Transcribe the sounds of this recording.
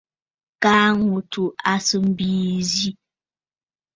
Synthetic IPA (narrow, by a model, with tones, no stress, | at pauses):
kaː˦ŋu˨tu˨a˦sɨ˦m̩˦biː˦zi˦